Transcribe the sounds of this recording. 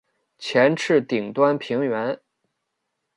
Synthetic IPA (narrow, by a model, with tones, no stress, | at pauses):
t͡ɕʰjɛ˧˥nʈ͡ʂʰɻ̩˥˩t̪i˨˩ŋt̪wa˥npʰi˧˥ŋɥɛ˧˥n